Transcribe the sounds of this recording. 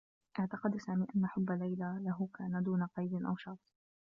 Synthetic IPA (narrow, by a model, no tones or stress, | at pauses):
ʔɪʕt̪ɑqɑd̪saːmiːʔanːaħʊbːalːajlalaɦʊkaːnad̪uːnaqɑjd̪ɪnʔa̰wʃɑːt̪ˤ